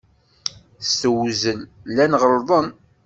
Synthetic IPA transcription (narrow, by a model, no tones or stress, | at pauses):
stəwzənlænʁəlðˤən